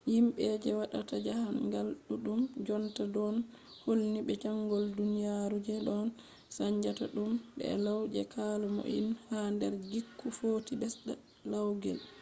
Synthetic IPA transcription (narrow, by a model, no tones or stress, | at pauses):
jimɓɛd͡ʒɛwaɗatad͡ʒahanɡalɗuɗumd͡ʒɔntadɔn | holniɓɛd͡ʒaŋɡɔldunijaɾud͡ʒɛɗɔn | saɲd͡ʒataɗumɓɛ̰lawd͡ʒɛ̰kʰalɔmo̰ʔḭnhandɛɾɡikːufoːtibɛsɗa | lawɡɛ̰l